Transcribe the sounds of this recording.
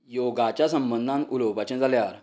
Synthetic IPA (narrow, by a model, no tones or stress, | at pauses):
joɡat͡ɕjasəmbənd̪ʱãnuləwpat͡ɕə̃d͡zaljaɾ